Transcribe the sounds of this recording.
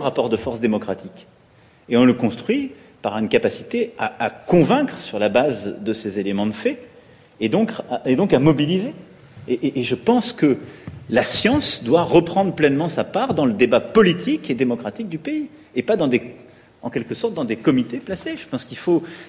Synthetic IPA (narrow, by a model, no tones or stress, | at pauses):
ʁapɔʁd̪əfɔʁsd̪emɔkχat̪ʰik | eɔ̃ləkɔ̃st̪χɥi | paʁynkapasi̥t̪eaːkɔ̃vɛ̃kχəsyʁlabazd̪əsezelemɑ̃d̪əfɛ | ed̪ɔ̃kaed̪ɔ̃kamɔbilize | eʔʔːʒəpɑ̃skəlasjɑ̃sd̪waʁəpχɑ̃d̪ʁplɛnmɑ̃sapaʁd̪ɑ̃ləd̪ebapɔlit̪ʰiked̪emɔkχat̪ik̚d̪ypei | epad̪ɑ̃d̪e | ɑ̃kʲɛlkəsɔʁt̪̚d̪ɑ̃d̪ekɔmit̪eplaseʒəpɑ̃skilfo